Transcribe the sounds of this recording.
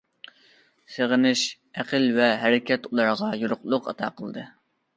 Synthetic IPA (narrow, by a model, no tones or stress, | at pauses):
seʁənɪʃ | æqəlvɛɦæɾɪkʲɛt̪ulˠɑɾʁɑjuɾʊqlˠʊqɑ̰t̪ʰɑ̰ːqʰəlˠd̪ɨ